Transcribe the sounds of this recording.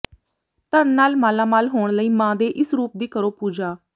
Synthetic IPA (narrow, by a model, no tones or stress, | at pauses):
t̪ənnaːlmaːlãːmaːlɦoːɳləiːmãːd̪eːʔɪsɾuːp̚d̪iːkəɾoːpuːd͡ʒaː